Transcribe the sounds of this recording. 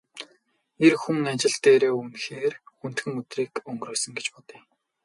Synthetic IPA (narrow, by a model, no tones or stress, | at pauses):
erxuŋant͡ɕɪ̆ɬt̪eːɾeːumxeːrxun̥t̪xɘ̆ŋɵt̪riːkɵŋɡɾoːsə̆ŋɡet͡ɕpɔt̪i̥ː